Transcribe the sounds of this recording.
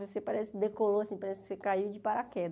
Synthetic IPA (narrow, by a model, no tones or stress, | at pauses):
vosepaɾɛsɪɪd̪ekoloasĩpaɾɛsɪkɪ̥sekaiwd͡ʒɪpaɾakɛd̪